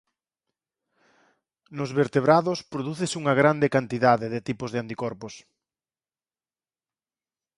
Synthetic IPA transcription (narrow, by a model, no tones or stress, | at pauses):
nʊzβeɾt̪eβɾaðʊspɾoðuθɪsuŋɐɣɾand̪ekant̪iðaðeðet̪ipozðeant̪ikɔɾpos